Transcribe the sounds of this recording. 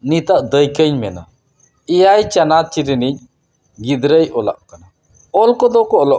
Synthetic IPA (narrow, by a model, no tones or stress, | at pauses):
nit̪aʔd̪əjkəɲmɛna̰ | ijajt͡ʃanat͡ʃiɾiniɲ | ɡid̪ɾəjʔɔla̰ʔkana | ɔlkɔd̪ɔkɔʔɔlɔʔ